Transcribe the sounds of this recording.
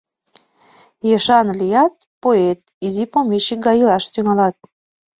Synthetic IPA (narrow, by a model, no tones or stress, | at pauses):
jeʃɑnlʲijɑt̪̚poet̪̚ | izipomʲet͡ɕik̚ɡɑjilɑʃt̪yŋɑlɑt̪̚